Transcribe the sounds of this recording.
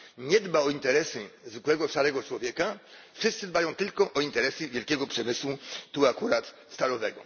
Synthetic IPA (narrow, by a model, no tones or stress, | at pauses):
ɲɛd̪baɔint̪ɛɾɛsɘzwɘkwɛɡɔʂaɾɛɡɔt͡ʂwɔvʲjɛkafʂɨst̪sɘd̪bajɔ̃w̃t̪ɘlkɔʔɔint̪ɛɾɛsɘvʲjɛlkʲɛɡɔpʂɛmɘswut̪uakuɾat̪ | st̪alɔvɛɡɔ